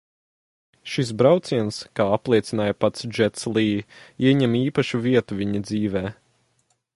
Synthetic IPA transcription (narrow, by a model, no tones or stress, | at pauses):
ʃis̬bɾawt̪siɛnskaːaplˠiɛt̪sinaːjpat̪sd͡ʒɛt̪slˠiːiɛɲɛmiːpaʃuviɛt̪uvʲiɲid̪ziːvɛː